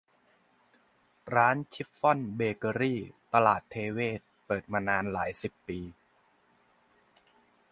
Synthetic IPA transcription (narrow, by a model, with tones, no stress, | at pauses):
ɾaː˦˥nt͡ɕʰi˦˥p̚fɔ˥˩nbeː˧kɤː˧ɾiː˥˩t̪a˧laː˨˩t̪ʰːeː˧weː˥˩t̪̚pɤː˨˩t̪̚maː˧naː˧nlaː˩˦jsi˨˩pːiː˧